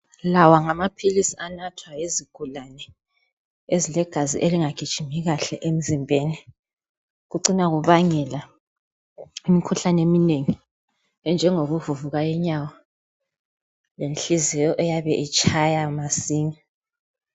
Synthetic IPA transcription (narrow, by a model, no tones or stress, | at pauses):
lawaŋamapʰilisianatʰwajeziɡ̥ʱulanɛ | ezilɛɡ̥ʱazḭʔeliŋaɡ̥ʱid̥ʒ̥ʱimiɣaɬɛʔem̩zimbʱeːni | ɣuǀinaɣuβaŋɛla | imikʰuɬanemineŋi | ɛnd͡ʒʱɛŋoɣuvuvuɣajɛɲawa | lenɬizɛjɔʔɛjaβɛʔit͡ʃʼajamasiːŋi